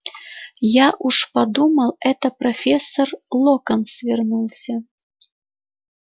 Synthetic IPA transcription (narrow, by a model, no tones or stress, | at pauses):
jaʔuʂpɐd̪uməlˠɛt̪əprofʲesːorlˠokənsvʲernulˠsʲə